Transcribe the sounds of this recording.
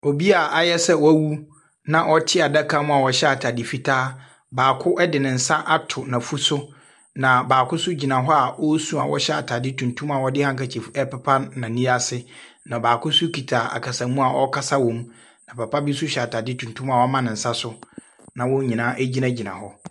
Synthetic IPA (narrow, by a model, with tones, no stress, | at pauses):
o˨bi˦a˨ʔa˨jɛ˦sɛ˦wɔ˦æ˦wu˦ | nã˨ʔɔ˦tʰɪ˦a˨da˦kʰa˦mũ˦a˨wɔ˨ɕɛ˦a˨tʰa˨dɪ˨fi˨tʰaː˦ | baː˨kʰʊ˦ʔɛ˦dɪ˨nɪ̃˨n̩˨sã˦ʔa˦tʰʊ˨nã˨fu˦sʊ˦ | nã˨baː˨kʰʊ˦sʊ˦d͡ʑi˨nã˨ɦɔ˦a˨wɔ˦sũ˦a̰˨wɔ̰˦ɕɛ˦a˨tʰa˨dɪ˦tʰũ˨ntʰũ˦ma˨wɔ˦dɪ˦hã˦ŋka˨t͡ɕʰi˨fɛ˦pɛ˦pʰa˦nːã˨nĩ˦a˦sɪ˦ | nã˨baː˨kʰʊ˦su˦kʰi˨tʰaː˨a̰˨kʰa˨sã˨˦mũ˦a˨ʔɔ˦kʰa˦sa˦wɔ̃˨m | nã˨pa˨pa˦bɪ˦sʊ˦ɕɛ˨a˨tʰa˨dɪ˦tʰũ˨ntʰũ˦ma˨wɔ˦mã˦nɪ̃˨n̩˨sã˦sʊ˦ | nã˨wɔ˦ɲĩ˨nãː˦ʔæ˦d͡ʑi˦nã˦d͡ʑi˨nã̰˨hɔ˦